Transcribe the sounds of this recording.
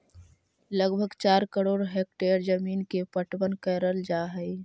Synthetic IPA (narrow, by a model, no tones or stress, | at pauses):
ləɡbʱəɡt͡ʃaːɾkəɾoːɾɦeːk̚ʈeːɾd͡ʒəmiːnkepəʈwənkəɾəld͡ʒaːɦəi